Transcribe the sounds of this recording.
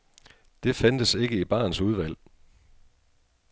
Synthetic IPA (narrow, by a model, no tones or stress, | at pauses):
d̥e̝fænd̥əse̝ɡ̥əib̥ɑ̈ːnsuð̞ˠʋæl̰